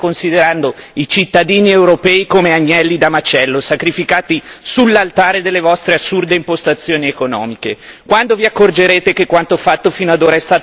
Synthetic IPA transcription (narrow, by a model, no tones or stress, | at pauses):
konsid̪eɾand̪oit͡ʃit̪ːad̪iːniewɾopɛːikomeaɲːɛlːid̪amat͡ʃɛlːosakɾifikaːt̪isulːalt̪aːɾed̪elːevɔst̪ɾeasːurd̪eimpost̪at̪sːjoːniekonɔ̰ːmikekwand̪oviakːord͡ʒeɾeːt̪ekekwant̪oafat̪ːofiːnoad̪oːɾaɛst̪aː